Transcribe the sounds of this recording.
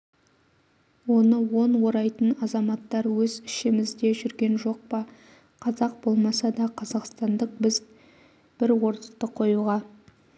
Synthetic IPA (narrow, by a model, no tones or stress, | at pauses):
wo̞nəwo̞nwo̞ɾɑjt̪ənɑzɑmɑt̪ːɑɾwɵzɪʃɪmɪzd̪e̞ʒʏɾɡʲe̞nʒo̞q̚pɑ | qʰɑzɑq̚b̥o̞lˠmɑsɑd̪ɑqʰɑzɑqst̪ɑnd̪əq̚bɪz | b̥ɪɾwo̞ɾt̪ɑ̥t̪ːəqʰo̞juʁɑ